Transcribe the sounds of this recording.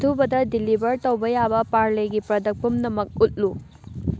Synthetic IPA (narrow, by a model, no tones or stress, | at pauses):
tʰubɐdɐdilibɐɾtɐwbɐjabɐpaɾleɡipɾɐdɐk̚pumnɐmɐk̚ut̚lu